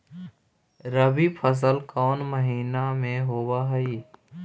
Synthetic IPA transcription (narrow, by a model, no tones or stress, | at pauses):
ɾəbipʰəs̬əlkɔːnməɦiːnamẽɦoːwaɦəiː